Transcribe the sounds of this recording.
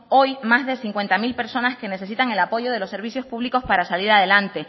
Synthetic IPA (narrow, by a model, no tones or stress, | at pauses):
o̞jmazðe̞siŋkwe̞nt̪amilpe̞ɾso̞naske̞ne̞se̞s̬it̪aŋe̞lapo̞ʝo̞ðe̞lo̞se̞ɾβiθjo̞spuβliko̞spaɾasaliɾaðe̞lant̪e̞